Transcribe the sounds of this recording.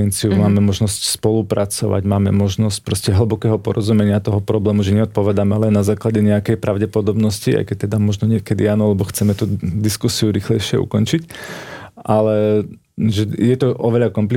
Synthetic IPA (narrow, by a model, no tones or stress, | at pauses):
ɛnt͡siumaːmɛmɔʒnɔscspɔlupɾat͡sɔ̰ʋa̰ɟmaːmɛ̰mɔʒnɔsc̚pɾɔscɛɦl̩bɔkɛːɦɔpɔɾɔzumɛɲɪat̪ɔɦɔpɾɔblɛːmuʒɛɲɛɔt̪̚pɔʋɛd̪amɛlɛnːazaːklaɟɛɲɛakɛjpɾʔaʊɟɛpɔd̪ɔbnɔscia̰jkɛc̚t̪ɛd̪amɔʒnɔɲɪɛkɛd̪iaːnɔalɛbɔxt͡sɛmɛt̪ud̪iskusiuɾiːxlɛjʃɪɛṵkɔnt͡ʃic | ʔalɛ | ʒɛjɛt̪ɔʔɔʋɛʎakɔmpli